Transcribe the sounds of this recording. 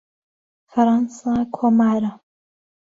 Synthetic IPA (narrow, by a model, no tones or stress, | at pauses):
faɾɑːnsakʰomaːɾa